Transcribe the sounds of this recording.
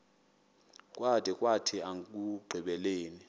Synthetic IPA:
kʼwad̥ʱɛkʼwatʰiaŋk̬ʼuɡ͡ǀʱiɓɛleːni

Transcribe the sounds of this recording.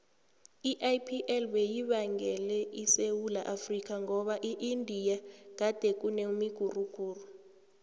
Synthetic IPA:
iʔajpʰiʔɛlwejiɓaŋɛlɛisewulaʔafrik̬ʼaŋɔɓaʔiʔindʱijak̬ad̥ʱek̬ʼuneumiɡ̥ʱuruɡ̥ʱuːru

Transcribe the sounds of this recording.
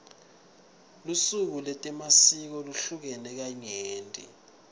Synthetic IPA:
lusuk̬ulɛtʼɛmasik̬ɔluɬuk̬ɛnɛk̬aɲeːntʼḭ

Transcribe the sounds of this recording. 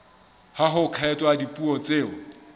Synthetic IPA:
haɦʊkʰaɛtʼwaadipʼuɔt͡sʼeːɔ

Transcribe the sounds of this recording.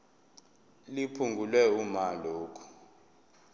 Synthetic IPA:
lipʰuŋɡʱulwɛumaloːkʰu̥

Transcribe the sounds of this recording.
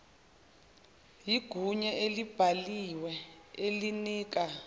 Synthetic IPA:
jiɡ̥ʱuɲɛʔelib̥ʱaliwɛeliniːk̬ʼa

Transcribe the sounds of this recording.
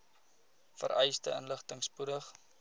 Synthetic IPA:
fə̰ɾʔɛjstəənləχtəŋspudəχ

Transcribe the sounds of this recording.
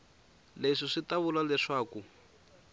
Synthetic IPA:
leʂiʂitaβulalɛʂaːku

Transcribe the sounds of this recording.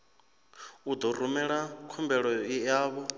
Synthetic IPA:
ud̪ɔrumɛɺakʰumbɛɺɔijaːβɔ

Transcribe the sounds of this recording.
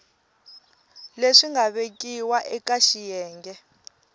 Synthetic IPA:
leʂiŋɡaβekʼiwaʔɛkaʃijɛːŋɡɛ

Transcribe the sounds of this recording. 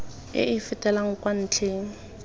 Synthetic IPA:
ɪ̰ɪfɪtʼɛlaŋ̩kʼwan̩ːt͡ɬʰeːŋ̩

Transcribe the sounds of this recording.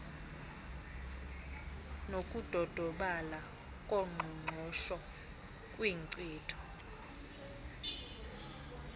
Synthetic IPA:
nokʼud̥ʱɔd̥ʱɔɓala | kʼoŋ͡ǃʱuŋ͡ǃʱɔʃɔ | kʼwiǀiːtʰɔ̥

